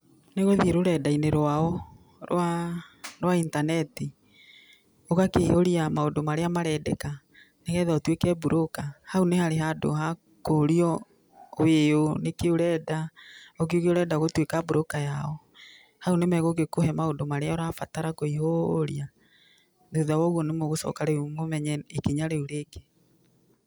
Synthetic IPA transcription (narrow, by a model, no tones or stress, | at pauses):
neɣoðieɾoɾɛdaineɾwaɔ | ɾw̰a | ɾwaintanɛti | oɣakehoɾiamaondomaɾeamaɾɛdɛka | neɣɛðaotwekɛbuɾʔokahaunehaɾeɦado̰ɦa | koɾiɔ | weonekeoɾɛːdaok̬eokeoɾɛːdaɣotwekabuɾokajaɔ | haonemɛɣoɣekohɛmaondomaɾeaɔɾafataɾakoihoɾia | ðuðawɔɣwɔnemoɣosɔ̰kaɾeumomɛɲɛekeɲaɾeuɾeke̥